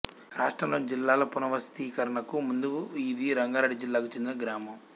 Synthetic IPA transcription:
ɾaːʂʈɾɐmloːd͡ʒilːaːlɐpunɐʋɐst̪iːkɐɾɐɳɐkumund̪uid̪iɾɐŋɡaːɾaːɖid͡ʒilːaːkut͡ʃend̪inɐɡɾaːmɐm

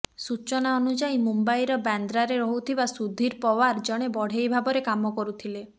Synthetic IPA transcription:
sut͡ʃɔnaɔnud͡ʒaimumbajɾɔband̪ɾaɾeɾɔɦut̪ʰibasud̪ʱiɾpɔwaɾd͡ʒɔɽ̃ebɔɽ̤ejbʱabɔɾekamɔkɔɾut̪ʰile

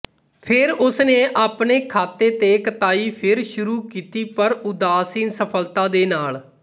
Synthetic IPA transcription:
pʰɪɾʊsneːʔaːpneːkʰaːt̪eːt̪eːkət̪aːiːpʰɪɾʃʊɾuːkiːt̪iːpəɾʊd̪aːsiːnsəpʰəlt̪ãːd̪eːnaːl

